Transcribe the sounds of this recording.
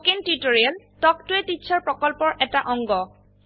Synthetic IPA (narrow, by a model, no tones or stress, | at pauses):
kentitoɹial | tɔk̚tʊɛtisʰaɹpɹɔkɔlpɔɹʔɛtaʔɔŋɡɔ